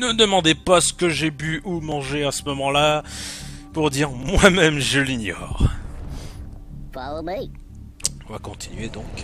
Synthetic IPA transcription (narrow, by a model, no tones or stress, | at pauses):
nəd̪əmɑ̃d̪epasə̥kəʒebyʔumɑ̃ʒeasəmɔmɑ̃la | puʁd̪iʁmwamɛmʒəliɲɔ̰ːʁ | falome | ɔ̃vakɔ̃t̪ʰi̥nɥed̪ɔ̃k